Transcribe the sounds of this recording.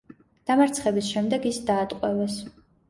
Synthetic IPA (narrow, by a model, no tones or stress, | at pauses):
d̪̥amaɾt̪sʰχɛbisʃɛmd̪ɛɡisd̪aːt̪ʼqʼwɛvɛs